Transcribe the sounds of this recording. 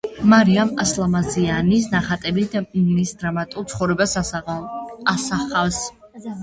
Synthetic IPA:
maɾiamaslˠamazianis̬naχat̪ʼɛbid̪anisd̪ɾamat̪ʼulˠt̪sʰχɔvɾɛbas | asaχafs

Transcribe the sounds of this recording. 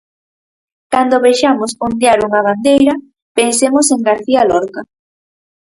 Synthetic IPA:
kand̪oβejʃamosond̪jaɾuŋɐβand̪ejɾɐ | pensemoseŋɡaɾθialɔɾka

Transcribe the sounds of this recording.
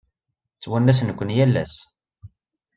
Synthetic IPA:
t͡sːwænːæs̬nəkʷːənjælːæ̰s

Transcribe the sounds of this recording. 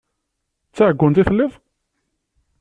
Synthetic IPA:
t͡sːaʕəɡʷːənt̪iθəlːiðˤ

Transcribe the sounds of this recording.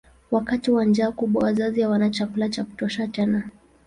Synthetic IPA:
wakatiwand͡ʒaːkuɓwa̰wazazijawanat͡ʃakulat͡ʃaku̥tɔʃat͡ʃɛna

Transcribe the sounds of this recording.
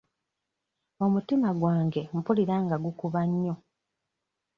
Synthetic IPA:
o̞mutimaɡwaːŋɡe̞m̩puliɾaːŋɡaɡukuβaɲːo̞

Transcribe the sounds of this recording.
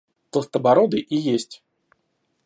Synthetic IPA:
t̪lˠəst̪əbɐɾod̪ɨʔijesʲtʲ

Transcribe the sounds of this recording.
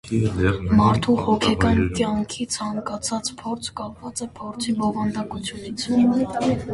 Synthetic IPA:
mɑɾt̪ʰuhɔkʰɛkɑnkjɑŋkʰit͡sʰɑŋkɑt͡sʰɑt͡spʰɔɾt͡sʰkɑpvɑt͡sɛpʰɔɾt͡sʰibɔvɑnd̪ɑkut͡sʰjunit͡sʰ

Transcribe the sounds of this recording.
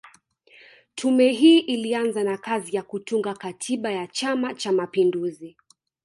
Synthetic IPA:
tʰumɛɦiːʔilianzanakazijakutuŋɡakatʰiɓajat͡ʃamat͡ʃamapinduzi

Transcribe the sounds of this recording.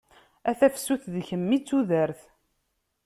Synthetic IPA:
æθæfsuθðçəmːit͡sːuðəɾθ

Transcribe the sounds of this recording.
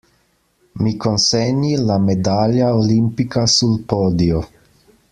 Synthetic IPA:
mikonsɛɲilamed̪aljaolimpikasulpoːd̪io

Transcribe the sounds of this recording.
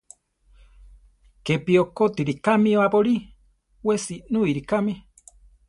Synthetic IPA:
kepiokot̪iɾikamĩoapoɾi | wesinuiɾikami

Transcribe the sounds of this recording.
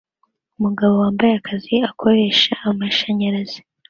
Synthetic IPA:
umuɡaβo̞waːmbajeakʰaziakʰo̞ɾe̞ʃaːmaʃaɲaɾaz̥i̥

